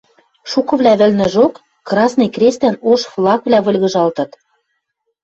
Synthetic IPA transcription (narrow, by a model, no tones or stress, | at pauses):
ʃukɤ̆βlʲæβɘ̆lnɘ̆ʒokː | rɑsnɤ̆jkrʲest̪ænoʃflˠɑkβlʲæβɤ̆lʲɣɤ̆ʒɑlt̪ɤ̆t̪